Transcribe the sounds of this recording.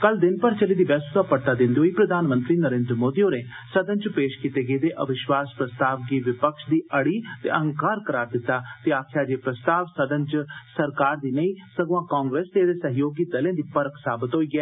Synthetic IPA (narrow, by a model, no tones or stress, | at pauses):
kəld̪ɪnpəɾt͡ʃəliːd̪iːbɛːst̪aːpəɽʈ̪aːd̪ɪ̃nd̪eoːiːpɾəd̪aːnmə̃nt̪ɾiːnəɾẽːnd̪ɾəmoːd̪iːõːneː | səd̪ə̃nt͡ʃpeːʃkit̪eːɡeeːd̪eːʔə̰ʋɪʃwaːspɾəst̪aːʋɡiːʋɪpəkʃd̪iːʔəɽiːt̪ḛːʔəɦə̃ŋkaːɾkəɾaːɾd̪ɪt̪ːaːt̪eːaːkʰjaːd͡ʒeːpɾəst̪aːʋsəd̪ə̃nt͡ʃsəɾkaːɾd̪iːnəĩːsəɡʋãːkaːŋɡɾeːst̪eːd̪eːsəɦɪjoːɡiːd̪əlẽːd̪iːpəɾksaːbɪt̪ɦoːiːɡɛː